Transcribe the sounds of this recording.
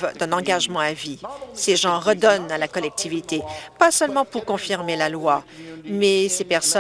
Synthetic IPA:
vd̪ɛ̃nɑ̃ɡaʒmɑ̃aviseʒɑ̃ʁəd̪ɔnalakɔlɛk̚t̪ʰivit̪epasœlmɑ̃puʁkɔ̃fiʁmelalwamɛsepɛʁsɔ

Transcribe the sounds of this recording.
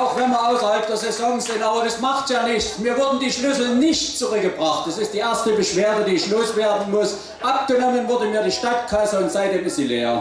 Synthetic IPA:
ʔaʊxv̥ɛnmiɐʔaʊsɐhalp̚d̥eːɐzezɔŋz̥ɪntʔaːbɐdasmaχtjaːnɪçt͡smiːɐvʊɐdn̩diːʃlʏsl̩nɪçtt͡suʁʏkɡəbʁaχtd̥asɪstd̥iːʔeːɐstəbəʃv̥eːɐdədiːɪçloːsv̥eːɐdn̩mʊs | ʔap̚ɡ̥ənɔmənvʊɐdəmiːɐdiːʃtatkʰaɪzəɪntz̥aɪt̚d̥eːmɪsileːa

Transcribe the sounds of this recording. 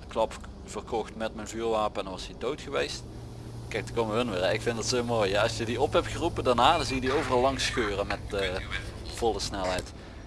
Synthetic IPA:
klɑp | fərkɔxtmɛtmɛnvyːrʋaːpəɛndɑnʋɑsidowtxəʋejst | kɛjkdəkoməʋəɦɵnʋɪrɛɪkfɪndɑtsɪmoːjaɑsjədiɔphɛp̚txərupəndanaːdnzijədiowvərɑlˠːɑŋsxøːrənmɛtː | v̥ɔlˠəsnɛlˠɦɛjt

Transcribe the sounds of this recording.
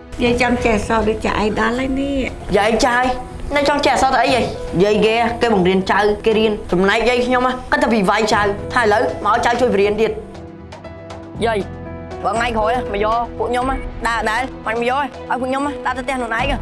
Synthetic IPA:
jəjt͡ɕɑŋt͡ɕɛhasɑːɗəc̚t͡ɕa̰ʔajɗaləjniəʔjəjt͡ɕaj | nət͡ɕɑŋt͡ɕɛhasɑːt̪əwʔəjʔəjjəjkeːʔakeːɓɑŋriənt͡ɕawkeːɾiənt͡ɕɑmnaɛk̚jəjkʰɲomakɨt̪̚ʰːaːʋiʋajt͡ɕawt̪ʰaːhəjləwməʔaɔjt͡ɕawt͡ɕuəjpiɾiənt̪iət̪̚ | jəj | ɓəːŋaɛkʰoːjʔaməjɔːpuəʔkɲomahɗaəɗaɛlmac̚mɔəjɔːʔaɔjpuəkɲomaɗaːt̪ət̪ɛ̆ənuənʔaɛk̚a

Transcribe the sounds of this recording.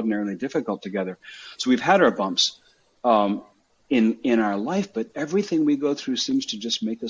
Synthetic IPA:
dⁿn̩ɛɹl̩ˠidɪfɨkl̩ˠtʰɨɡɛðə˞soʊwiv̥ɨɾa˞bʌ̃mps | ɪ̃nɪ̃ñaʊə˞laɪfb̥ʌɾɛvɹiθɪ̃ŋwiɡoʊθɹʉsĩmz̥tʰɨd͡ʒʌsmeɪkʌ

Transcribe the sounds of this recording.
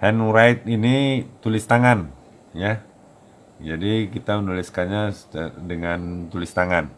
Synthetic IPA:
hɛnɾajt̪̚init̪ulɪst̪aŋan | ja | d͡ʒadikit̪amənuliskanɲasdəŋant̪ulɪst̪aŋan

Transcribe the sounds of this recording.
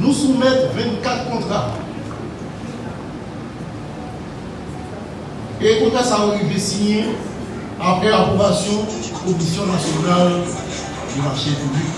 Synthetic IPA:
nũsumɛt̪vɛ̃nt̪kat̪χkɔ̃t̪χa | ekɔ̃ɲãsaoʁivesiɲɛ̃ | apχɛlapχobasjɔ̃ | kɔmisjɔ̃nasjɔnal | d̪əlaʃɛ̃pubik

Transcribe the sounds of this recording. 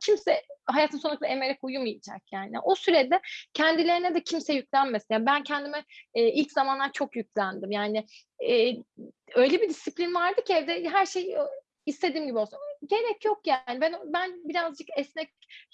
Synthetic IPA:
cʰimsɛɦajaːt̪ʰɯnoakɯlˠaeme̞ɾɛkujumɯjid͡ʒa̰k̚jaːnḭʔosyɾɛd̪ɛcʰɛnd̪ilʲe̞ɾinɛd̪ɛcʰimsɛjyc̚lʲænmesinjaːnbæncʰɛnd̪imɛilʲczamand̪ant͡ʃʰo̞kjyc̚ʲlʲænd̪imjaːnɪ | ɛː | ø̞jlʲebid̪isiplʲinvaɾd̪ɯcʰɛvd̪ɛɦæɾʃej | ist̪ʰe̞d̪iːmɟibiolˠsɟe̞ɾɛcjo̞kjanibænbænbiɾazd͡ʒɯkɛsnɛc̚

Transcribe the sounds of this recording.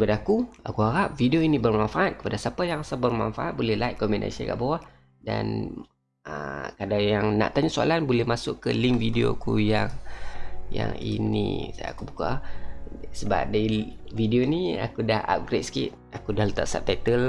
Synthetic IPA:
tipadaːkua̰kuɦaɾap̚fidioinibərmanfaʔat̪̚kə̥padasapajaŋasabərma̰nfaʔat̪̚bolɛhlajʔ̚kɔmɛna̰sə̰ɡa̰ʔbawah | da̰n | əkadajaŋna̰ʔt̪aɲasoa̰lanbolɛhmasʊʔkəliŋvidio̰kujaŋ | ja̰ŋḭnḭsa̰kubuka̰ | səba̰p̚daividionia̰kudaha̰p̚ɡɾet̪̚sə̥kḭt̪̚akudahlət̪a̰ʔsap̚t̪ɛt̪əl

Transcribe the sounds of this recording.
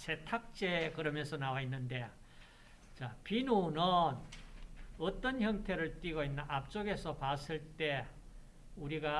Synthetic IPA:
sʰe̞tʰak̚t͡ɕ͈ekɯɾʌmjʌnsʰʌnawainːɯnde̞ | t͡ɕapinonɯn | ʌt͈ʌnçjʌŋtʰe̞ɾɯɭt͈wiɡoinːɯnap̚t͡ɕ͈oɡe̞sʰʌpas͈ɯɭt͈e̞ | uɾiɡa

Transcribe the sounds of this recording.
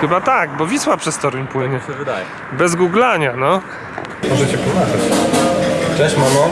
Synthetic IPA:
xɘbat̪aɡbɔvʲiswapʂɛst̪ɔɾuɲpwɘɲɛɛvɨd̪ajɛ | bɛzɡuɡlaɲanɔ | mɔʐɛt͡ɕɛpɔnaʐat͡ɕ | t͡ʂɛɕmamɔ

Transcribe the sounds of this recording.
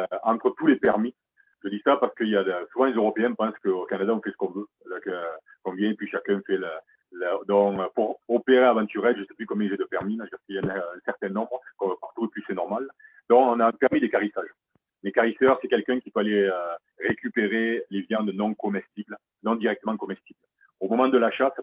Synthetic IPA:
øɑ̃t̪χət̪ulepɛʁmi | ʒəd̪isapaʁsə̥kəiljasuvɑ̃lezøʁɔpeɛ̃pɑ̃skəokanad̪aɔ̃fɛsə̥kɔ̃vø | lakə | kɔ̃mbjɛ̃epɥiʃakɛ̃fɛlə | ləd̪ɔ̃køpuʁɔpeʁeavɑ̃t̪yʁɛlʒəsɛ̥plykɔ̃bjɛ̃ʒɛd̪əpɛʁmimãʒəd̪iʁskiɛnãsɛʁt̪ɛ̃nɔ̃bʁəkɔ̃paʁt̪uepɥisɛnɔʁmal | d̪ɔ̃kɔ̃nãpɛʁmid̪ekaʁisaʒ | mekaʁisœʁsɛkɛlkɛ̃kʲipøaleø | ʁekʲypeʁelevjɑ̃d̪nɔ̃kɔmɛst̪ibl | nɔ̃d̪iʁɛk̚t̪əmɑ̃kɔmɛst̪ibl | omɔmɑ̃d̪əlaʃas

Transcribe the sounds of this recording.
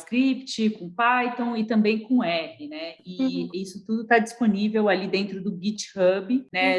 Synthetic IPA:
skɾipt͡ʃɪkõpajt̪õw̃ɪt̪ɐ̃mbẽj̃kõɛpɪnɛɪisʊt̪ud̪ʊt̪ad͡ʒisponivewalid̪ẽnt̪ɾʊd̪ʊɡit͡ʃhɐbɪnɛ

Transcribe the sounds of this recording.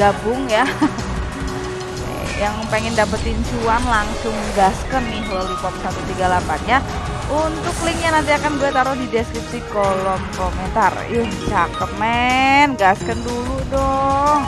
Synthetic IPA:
ɡabʊŋja | jaŋpeŋɪndapət̪insuanlaŋsʊŋɡaskənːɪɦwalipɔp̚sat̪ut̪iɡalapanɲa | ʔunt̪ʊklɪŋɲanant̪̬iakanɡuɛt̪aɾʊhdideskɾip̚sikolɔmkoment̪arjaht͡ʃakəmɛnɡaskənduludɔ

